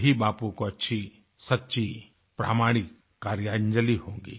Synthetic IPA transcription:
ɦibaːpõkoɐtːʃʰi | sɐtːʃʰi | pɾa̰ːmaːɽ̃ɪkː | aːɾjaːɲd͡ʒəlihõːŋɡḭː

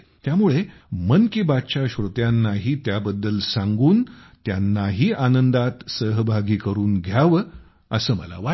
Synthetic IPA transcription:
t̪jamuɭe | mənkiːbat̪t͡ɕaɕɾot̪janːaɦiːt̪jabəd̪ːəlsãŋɡuːnt̪janːaɦiːʔanənd̪at̪səɦbʱaɡiːkəɾuːnɡʱjaʋə | əsəːmə̰la̰ʋa

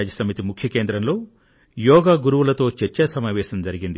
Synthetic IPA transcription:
d͡ʒɐsɐmit̪imukʰjɐke̞ːnd̪ɾɐmlo̞ː | jɔːɡaːɡuɾuʋulɐt̪o̞ːt͡ʃeɾt͡ʃːɛsɐmaːʋɛːʃɐmd͡ʒɐɾiɡind̪i

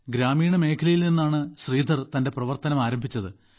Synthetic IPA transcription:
ɡɾaːmiːɳɐme̞ːkʰɐlɐjilninːaːɳɨɕriːd̪ʱɐrt̪ɐnde̞prɐʋɐrt̪ɐnɐmaːɾɐmbʱit͡ɕːɐðɨ

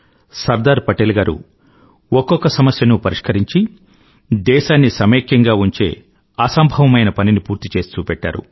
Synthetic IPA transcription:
sɐɾd̪aːɾpɐʈelɡaːɾṵ | ɔkːɔkːɐsɐmɐsjɐnupɐɾiʂkɐɾiɲt͡ʃi | d̪ɛːʃaːnːisɐmeːkjɐŋɡaːuɲt͡ʃe̞ː | ɐsɐmbʱɐʋɐmɐjnɐpɐninipuːɾt̪it͡ʃe̞ːst̪uːpɛʈːa̰ːɾṵ

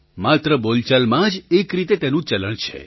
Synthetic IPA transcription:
mat̪ɾəbolt͡ʃalmãd͡ʒekɾit̪et̪enũt͡ʃələɳt͡ʃʰḛ

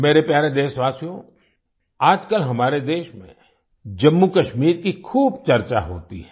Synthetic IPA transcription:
meːɾepjaːɾẽd̪eːsʋaːsjõ | aːd͡ʒkəlɦɐmaːɾed̪eːʃmḛ̃ | d͡ʒɐmːukɐʃmiːɾkikʰuːb̚t͡ʃɐɾt͡ʃa̰ɦo̰ːt̪ḭɦɛː

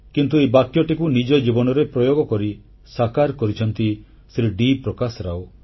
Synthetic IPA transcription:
kint̪uebakjɔʈikunid͡ʒɔd͡ʒibɔnɔɾepɾɔjoɡɔkɔɾi | sakaɾkɔɾit͡ʃʰɔnt̪i | sɾiɖipɾɔkasɔɾao

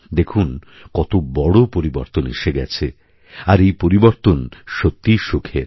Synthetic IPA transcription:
d̪ekʰun | kɔt̪obɔɽopoɾiboɾt̪onḛʃeɡɛt͡ɕʰe | aɾejpoɾiboɾt̪onʃot̪ːiʃokʰeɾ

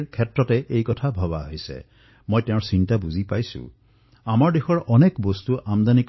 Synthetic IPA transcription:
kʰɛtɹɔtɛʔejkɔtʰabʱɔβaɦisɛ̰ | mojtẽʊ̃ɹsintabuzipajsṵ̃ | amaɹdexɔɹʔɔnekbɔst̪uʔamd̪anik

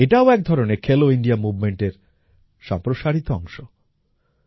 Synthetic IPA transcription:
eʈaoɛk̚d̪ʱɔɾonekʰeloiɳɖiamubmeɳʈeɾ | ʃɔ̰mpɾoʃaɾit̪oɔŋʃo

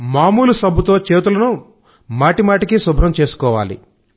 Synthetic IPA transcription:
maːmuːlusɐbʱut̪o̞ːt͡ʃeːt̪ulɐnu | maːʈimaːʈikisubʱɾɐmt͡ʃe̞ːsu̥kɔːʋaːlḭ

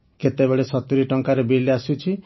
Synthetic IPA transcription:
ket̪ebeɭesɔt̪iɾiʈɔŋkaɾebeliasut͡ʃʰi

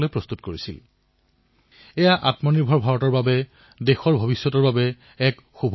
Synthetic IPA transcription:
loejpɹɔst̪utkoɹisḭl | ɛjaʔatmɔniɹbʱɔɹbʱaɹɔtɔɹbabɛ | dexɔɹbʱobisːɔtɔɹbabɛ | ɛk | xubʱ

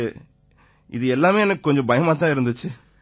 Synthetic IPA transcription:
ɪðɯɛlːaːmeːɛnɐkːɯkɔɲd͡ʒɔ̃bɐjɐmaːt̪ːãːɪɾɯnd̪ɯt͡ʃːɯ

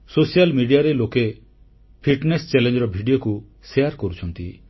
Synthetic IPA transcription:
sosijalmiɖijaɾeloke | pʰiʈnest͡ʃɛlend͡ʒɔɾɔbʱiɖijoku | sejaɾkɔɾut͡ʃʰɔnt̪ḭ

